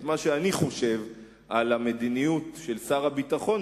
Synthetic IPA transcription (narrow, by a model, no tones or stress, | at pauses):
maʃeaniχo̞ʃe̞v | ʔalame̞d̪inijutʃe̞lsaʁabitaχo̞n